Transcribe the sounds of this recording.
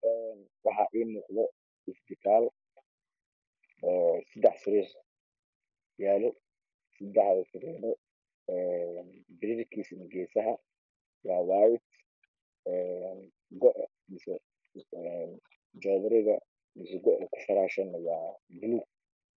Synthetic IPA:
ɛːn | wɑħɑʔiːnɔːqðɔ | ɪsd̪ɪkʰaːl | ɔːsɪd̪ɛħsɪɾɛs | jaːlʊ | sɪd̪ɛħðɐsɪɾɛnɔ | ɛnbɪɾirkʰiːsɐnɪɡɛːsɐɦɐ | wɑːwaːjɪt̪ | ɛn | ɡɔʔ | mɪsɛ | n | d͡ʒɔːðɐɾɪɣɐ | mɪsɛɡɔʕʔɐkʰʊ̥fɐɾaːʃɐnːɐwɑːbʊluːɡ̚

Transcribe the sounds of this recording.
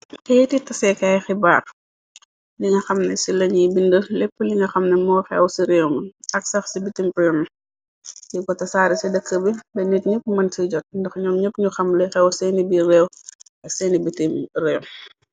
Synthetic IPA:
kɛjtitːɐsɛkajxiba̰ːr | liŋɡɐxɐmnɛsilɐɲibindəlɛpːəliŋɡɐxɐmnɐmɔːxɛwsiɾɛːwmɐɐk̚sɐxsibitimpɔm | jikɔtɐsaːɾisidəkːəbibɛnitɲəpːmɐnsiɟɔt̚ndɐxɲɔːmɲəpːɲuxɐmlɛjxɛwsɛnibiɾɛw | ɐksɛːnibitimrɛːw

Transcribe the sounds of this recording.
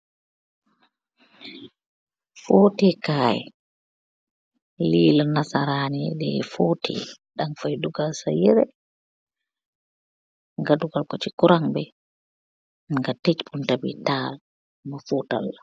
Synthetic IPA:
foːtɛkaːjɛ̰ | lilanasaɾanidɛfotʰɛ̰ːɗaŋfajduɡalsajɛɾɛ | ŋɡaduɡalkot͡ʃikuɾaŋbɛ | ŋɡatet͡ʃbuntabḭtaːl | mafuta̰lːa

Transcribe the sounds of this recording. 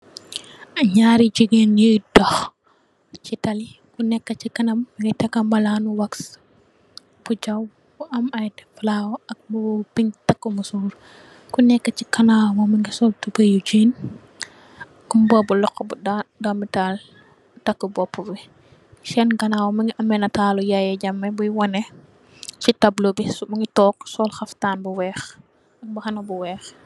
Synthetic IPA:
ɲaːɾid͡ʒiɡenidɔx | t͡ʃitɐli | kunɛkːɐt͡ʃikɐnɐmːɐŋɡɐtɐkːɐmbɐlaːnuwɐks | b̥ud͡ʒɐw | ɐmɐjdɛflaːwɔɐk̚mupiŋtɐkːəmusuːɾ | kunɛkːət͡ʃikɐnaːwmɔmɐŋɡisɔltubɐjud͡ʒiːn | kmbɔbulɔkːɔbuddomital | tɐkːəbɔpːubi | ʃɛnɡɐnaːwmɐŋɡiʔɐmːɛnɐtaːlujajɛɟɐmːɐbujwɐnɛ | t͡ʃitɐblobismuŋɡitɔːksɔlxɐftaːnbuwɛːx | ɐk̚bɐxɐnɐbuwɛːx

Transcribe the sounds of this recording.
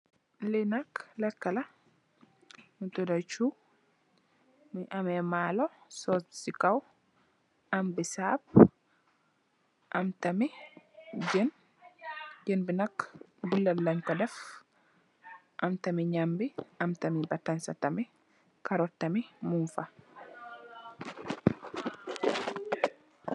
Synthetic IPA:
lɛnaklakːala | mutɔdat͡ʃu | miʔamɛmaːlɔsɔsikaw | ʔambisab̚ | ʔamtami | d͡ʒɛn | d͡ʒɛnbinakː | bulːaːaɲkɔdɛf | ʔamtamiɲambiʔamtamibatansatami | kaɾɔtːamimunfa

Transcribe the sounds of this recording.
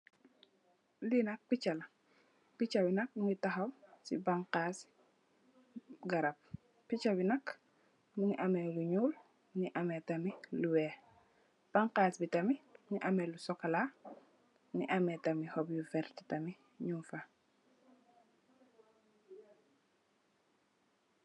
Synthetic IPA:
linak̚pit͡ʃala | pit͡ʃɐbinɐk̚muŋitaxɐwsḭbaŋqas | ɡaɾap̚ | pit͡ʃabinak | muŋiʔameluɲuːl | niʔametamiluwe | b̥aŋqaːsbitɐmimuŋiʔamɛlusɔkala | nḭʔametɐmihɔbjufɛɾti̥tɐmi | ɲufa

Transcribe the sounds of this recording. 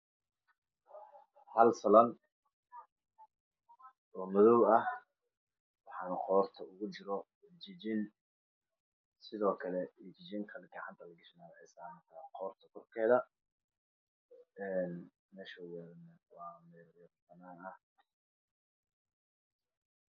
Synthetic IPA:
hɐlsɐlɐn | ɔːmʊðɔwɐh | wɑħɑːnɐqɔːrt̪ʰɐʊɣʊt͡ʃɪɾɔ | t͡ʃɪd͡ʒɪn | sɪðɔːkʰɐlɛɛt͡ʃɪt͡ʃɪŋkʰɐlɡɐʕant̪ʰɐlɐɡɐʃɪnaːðħɛsaːmɐkʰɐqɔːrt̪ʰɐkʰɔrkʰɛːðɐ | ɛːn | mɛːʃɐwɛnwɑːmɛːɾfɐnaːnɐh

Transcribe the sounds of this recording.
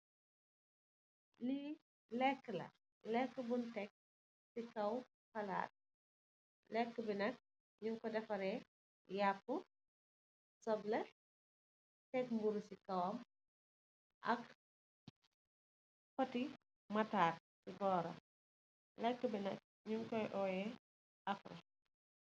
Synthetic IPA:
li | lɛkːəlɐ̰ | lɛkːəbuntɛk̚ | sikɐw | fɐla̰ːt̚ | lɛkːəbinɐk̚ | ɲuŋkɔdɛfɐɾɛ | jakːu | sɔblɛ | tɛkmbuɾusikɐwɔm | ʔɐ̰k | fɔti | mɐtaːk̚siɡɔːɾɐ̰ | lɛkːəbinɐk̚ | ɲuŋkɔjʔɔːjɛ | ʔɐfrɐ̰

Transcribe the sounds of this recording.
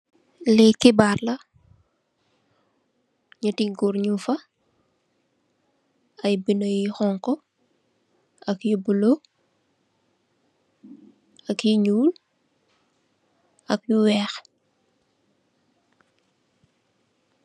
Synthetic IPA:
lɛkibarlɐ | ɲatiŋɡuɾɲufɐ | ɐjbinojixɔŋkɔ | ɐkjubulo | ɐkjiɲuːl | ɐkjuwɛx

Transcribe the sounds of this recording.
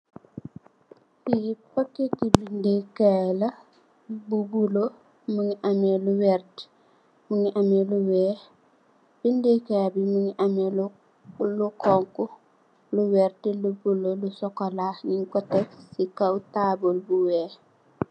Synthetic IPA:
biipokːekibindekelɐ | bubulo | muŋiʔameluwɛɾt | muŋiʔameluwɛ | b̥indekebimuŋiʔamel | lukɔŋku | luwɛɾtilubulolusɔkɔlaːɲiŋkɔtefsikawutabolbuwɛː

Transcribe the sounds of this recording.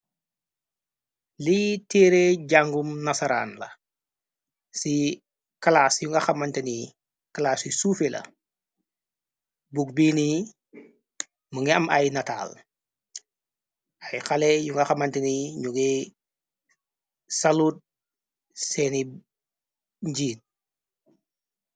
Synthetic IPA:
litiːɾeɟaŋɡumnasaɾa̰nlɐ̰ | si | kalaːsjuŋɡɐxamantɛni | kalaːsisufelɐ̰ | buɡ̚bini | məŋɛɐmɐjnata̰ːl | ajxalɛjuŋɡaxamanteniɲuɡe | saluːt̚ | sɛni | ɲɟiːn̚

